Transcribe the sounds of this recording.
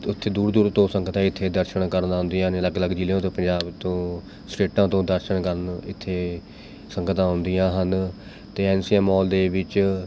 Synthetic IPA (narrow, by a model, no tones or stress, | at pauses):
ʊt̪ʰːeːd̪uːɾd̪uːɾt̪õːsəŋɡət̪ãːɪt̪ʰːeːd̪əɾʃəɳkəɾnaːɦʊ̃nd̪ijãːnləɡləɡd͡ʒiːlõːt̪õːpəɲd͡ʒaːbt̪õː | sʈeːʈãːt̪õːd̪əɾʃəɳkəɾənɪt̪ʰːeː | səŋɡət̪ãːɦʊ̃nd̪ɪjãːɦən | t̪eːɛːnsiːɛːmɔːld̪eːʋɪt͡ʃ